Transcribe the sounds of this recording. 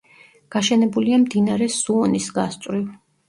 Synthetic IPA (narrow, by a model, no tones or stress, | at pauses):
ɡ̥aʃɛnɛbuliamd̪inaɾɛsuɔnisɡast̪ʼwɾiw